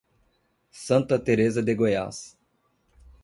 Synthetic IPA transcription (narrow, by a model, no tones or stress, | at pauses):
sɐ̃nt̪ɐt̪eɾezɐd̪eɡoja̰s